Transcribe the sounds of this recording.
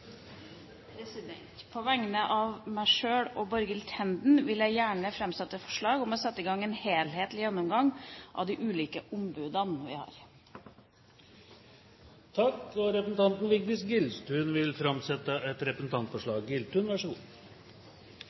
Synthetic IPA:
pʰɾɛsɪd̪ɛ̰nt̪pʰɔʋæŋnəʔɑʋmæɪʂøːɽɔbɔɾɡɪlt̪ʰɛnd̪n̩ʋɪljæɪjæːɳəfɾɛmsɛt̪ːəfɔ̥ʂɭɑːɡɔmɔsɛt̪ːɪɡɑŋːeːnheːlheːt̪lɪjɛnːʊmɡɑŋʔɑ̰ʋd̪ɪʔʉːliːkəʔʊmbʉːd̪ɑnʋɪ̰hɑ̰ːɾ | t̪ʰɑkːɔɾɛpəsn̩t̪ɑnt̪nʋɪk̚d̪ɪsɡɪlst̪ʰʉːnʋɪlfɾɑmsɛt̪əɛt̪ɾɛpəsn̩t̪ʰɑnt̪fɔʂɭɑːɡɡɪlt̪ʰʉːnʋæʂɡṵː

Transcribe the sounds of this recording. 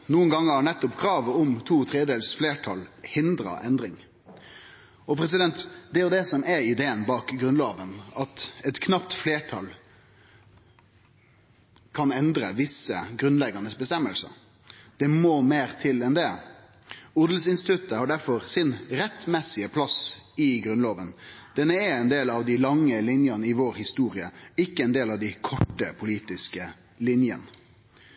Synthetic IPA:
nuːənɡɑŋːəɑnɛt̪ːɔpkʰɾɑːʋəɔmt̪ʰuːt̪ʰɾeːd̪əd̪eːlsfleːʈʰɑ̰lhɪnd̪ɾə̰ʔɛnd̪ɾɪŋ | ɔpʰɾɛs̬ɪd̪ɛnt̪d̪ɛʊd̪ɛsɔmɛɪd̪eːənbɑːkɡɾʉnlɑːʋənɑt̪ɛt̪kʰnɑpt̪fleːʈʰɑ̰l | kʰɑnɛnd̪ɾə̰ʋɪsə̰ɡɾʉnlɛɡɑnəsbəst̪ɛmːəlsə̰ | d̪̥ɛmoːmeːɾt̪ʰɪlɛnd̪ɛ | ʊd̪l̩sɪnst̪ɪ̥t̪ʉt̪ːəhɑɖæɾfɔɾsɪnɾɛt̪mɛsɪəpʰlɑsɪɡɾʉnloːʋənd̪̥ɛnːəɛɛnd̪eːlɑʋd̪ɪlɑŋːəlɪnjɑnəɪʋoːɾhɪst̪uːɾɪəɪkːəɛnd̪eːlɑʋd̪ɪkʰɔʈːəpʰʊliːt̪ɪskə | lɪnjə̰nə

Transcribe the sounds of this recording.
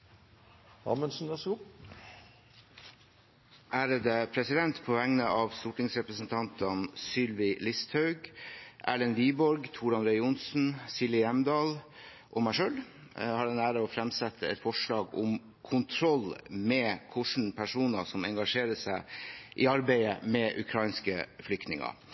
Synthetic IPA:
ɑ̰mənsn̩ɛs | ʔæːɾəd̪əpʰɾɛsɪd̪ɛnt̪pʰoːʋæŋnəʔɑʋst̪uʈɪŋsɾɛpɾəsnt̪ʰɑnt̪ʰɑnsʏlʋɪlɪst̪ʰhɑʉɡʔæ̰ːɭɛnʋiːbɔɾɡt̪ʰuːɖɑnɾɛɪʊnsn̩sɪlɪjɛmd̪ɑːl | ʔɔmæʂøːl | hɑːɖ̪ɛnæːɾəoːfɾɛmsɛt̪ʰːəɛ̰t̪fɔʂɭɑːɡʊ̰m | kʰʊnt̪ʰɾɔlmɛːkʰʊʂɳ̩pʰæʂuːnəsɔmɛŋɡɑʂeːɾəsæɪʔiːɑɾbæɪə̰mɛʔʉkʰɾɑɪnskəflʏk̚t̪nɪŋɑ̰

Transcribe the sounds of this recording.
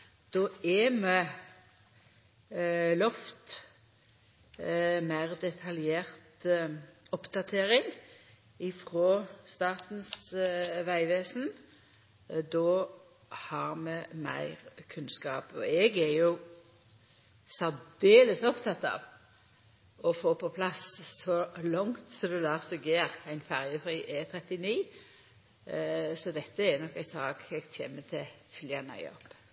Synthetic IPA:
d̪̥oːɛmɛ | lɔft̪ | mæɪʁd̪ɛt̪ʰɑljeːʁt̪ | ɔpd̪̥ɑt̪ʰeːɾɪŋ | ɪfʁoːst̪ɑːʁt̪n̩sʋæɪʋeːsn̩ | d̪oː | hɑʁmɛmæ̰ɪʁkʰʉnskɑːpɔɛɡæɾjʊ | sɑd̪eːləsɔpt̪ʰɑt̪ːɑ̰ːʋ | ɔfoːpʰɔpʰlɑsːɔlɔŋt̪sɔd̪ɛlæːʁsɔɡeːʁæɪnfæʁjəfʁiːʔɛt̪ʰɾɛt̪ɪniː | sɔd̪ɛt̪ːəɛɾnɔkːæɪsɑːɡɛɡ̥t̪ʰḛːmət̪ʰɪfʏljɑnɑ̰ʏɪɔ̰pː

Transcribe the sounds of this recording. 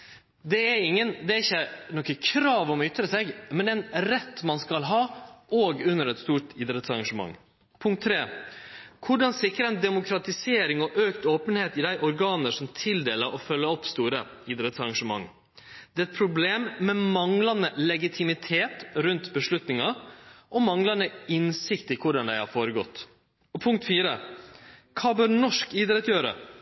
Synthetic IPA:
d̪ɛæɾɪŋːənd̪ɛæɾɪçːənɔkəkʰɾɑːʋɔmʏt̪ɾəsɛɡmɛnd̪ɛnɾɛt̪ːmɑnskɑlɦɑːoːɡʉnːəɾɛt̪st̪uːʈɪd̪ɾət̪sɑɾɡɑʂəmɑ̰ŋː | pʰʊŋkt̪ʰːɾeː | kʰʊɖɑnsɪkɾəɛnd̪ɛmʊkʰɾɑt̪ɪseːɾɪŋɔʔøːkt̪oːpənheːt̪ɪd̪æɪʔɔɾɡɑːnəʂɔmt̪ʰɪld̪eːləɾʔɔfœlːəɔpst̪uːɾə | iːd̪ɾɛt̪sɑɾɑŋʂəmɑ̰ŋː | d̪̥ɛːɛt̪̚pʰɾʊbleːmːɛmɑŋlɑnəlɛɡɪt̪ʰɪmɪt̪ʰeːt̪ɾʉnt̪bəʂlʉt̪nɪŋɑʔɔmɑŋlɑnəɪnsɪkt̪ɪkʰʊɖɑnd̪æɪhɑ̰ːɾfoːɾəɡɔt̪ː | ɔpʰʊŋkt̪fiːɾə | kʰɑːbœɾnɔʂkiːd̪ɾɛt̪jøːɾə̰

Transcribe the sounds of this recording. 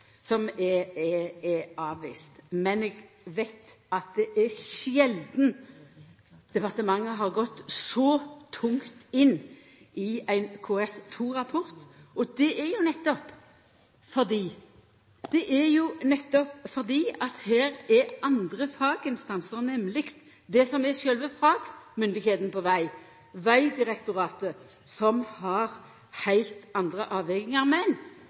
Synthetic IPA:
sɔmɛɛɛɑːʋʋḭːst̪mɛnɛːɡ | ʋæɪt̪ | ɑt̪̚d̪ɛʔæɾʃɛld̪n̩ | d̪̥ɛpɑʁt̪əmɑŋːəɦɑʁɡɔt̪ːsɔt̪ʰʊŋt̪ɪnː | ʔɪæɪnkʰoɛst̪ʰuːɾɑpʰɔɾt̪ɔd̪ɛʔɛɾjʊnɛt̪ːɔp | fɔʁd̪iː | d̪̥ɛʔɛɾjʊnɛt̪ːɔpfɔʁd̪iːɑt̪hæːɾɛʔɑnd̪ʁəfɑːɡɪnst̪ɑnsəɾnɛmlɪkt̪ | d̪ɛsɔmɛʃœlʋəfɑːɡmʏnd̪ɪɡheːt̪nəpɔʋæɪ | ʋæɪd̪ɪʁɛkt̪ʊɾɑːt̪ə | sɔmhɑʁ | hæɪlt̪ɑnd̪ʁəʔɑːʋɛɡɪŋɑɾmɛn

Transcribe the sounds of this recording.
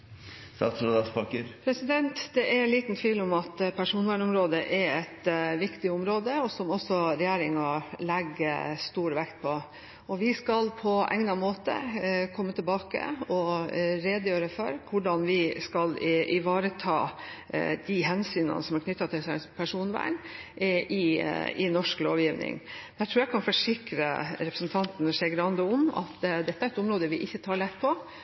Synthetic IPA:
st̪ɑ̰ːt̪sɾoːd̪ɑspɑkəɾpʰɾɛsɪd̪ɛnt̪d̪ɛʔæɾliːt̪nt̪ʰʋiːlɔmɑt̪pʰæʂuːnʋæɳʊmɾoːd̪əʔɛɾɛt̪ʋɪkt̪ɪʊmɾoːd̪əɔsɔmɔsːɔɾɛjeːɾɪŋɑlɛɡːəst̪uːɾʋɛkt̪̚pʰɔ | ɔʋɪskɑlpʰɔʔɛ̰ŋnɑmoːt̪ə̰kʰɔmːət̪ʰɪlbɑːkə̰ɔɾeːd̪jøːɾəfɔɾkʰʊɖɑnʋɪskɑlʔɪʋɑːɾət̪ʰɑː | d̪̥ɪɦɛnsyːnə̰nəsɔmæɾkʰnʏt̪ːɑt̪ʰɪlsɛpʰæʂuːnʋæ̰ːɳ | ʔɪɪnɔʂkloːʋjiːʋnɪ̰ŋd̪æt̪ɾʉːɾjækʰɑnfɔʂɪkɾə̰ɾɛpɾəsn̩t̪ʰɑnt̪nʂeːɡɾɑnd̪əʊmɑ̰t̪d̪ɛt̪ːəæɾɛt̪ʊmɾoːd̪əʋɪʔɪçːət̪ʰɑːɭɛt̪ːpʰɔ

